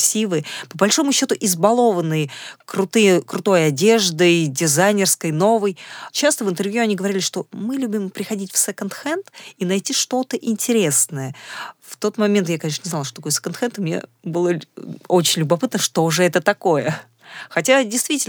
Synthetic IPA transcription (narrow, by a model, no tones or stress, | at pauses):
sʲivɨpəbɐlʲʂo̞mʊɕːo̞t̪ʊʔɪzbɐlˠo̞vənːɨjkɾʊt̪ɨjəkɾʊt̪o̞jɐdʲe̞ʐd̪ɨdʲɪzajnʲɪrskəjno̞vəjt͡ɕast̪əvɨnt̪ɨrvjuɐnʲiɡəvɐɾʲilʲɪʂt̪o̞mɨlʲubʲɪmpɾʲɪxɐdʲitʲfsɛkənt̪xɛnt̪inɐjtʲiʂt̪o̞t̪əʔɪnʲtʲɪɾʲe̞snəjəft̪o̞t̪mɐmʲent̪jakɐnʲeʂnənʲɪznalˠʂt̪ot̪ɐkojsə̥kənxɛnt̪ɨmnʲḛbɨlˠəot͡ɕɪnʲlʲʊbɐpɨt̪nəʂt̪oʐɨɛt̪ət̪ɐko̞jə | xɐtʲadʲɪjst̪vʲitʲɪl